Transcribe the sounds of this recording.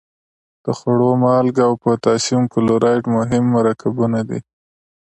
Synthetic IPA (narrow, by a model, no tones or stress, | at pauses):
d̪̥əxaɽomɑlɡawpət̪ɑsimkʊloɾʔɑjʈmʊɦɪmːaɾɑkabunad̪ḭ